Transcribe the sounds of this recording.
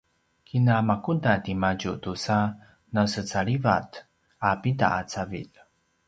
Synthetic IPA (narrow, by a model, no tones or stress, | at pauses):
kʰinamakundadimaɟutusa | nəsət͡saɭiva̰t | apida̰ʔat͡savḭl